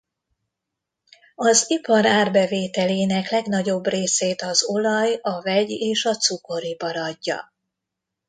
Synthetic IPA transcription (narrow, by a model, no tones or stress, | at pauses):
ɒzipɒɾaːrbɛveːt̪ɛleːnɛklɛɡnɒɟo̞breːseːt̪ɒzo̞lɒjɒvɛɟeːʃɒt̪suko̞ɾipɒɾɒɟːɒ̰